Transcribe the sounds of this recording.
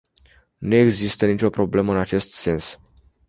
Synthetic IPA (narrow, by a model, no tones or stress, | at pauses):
nueɡzist̪ənit͡ʃo̞pɾo̞ble̞məɨnat͡ʃe̞st̪se̞ns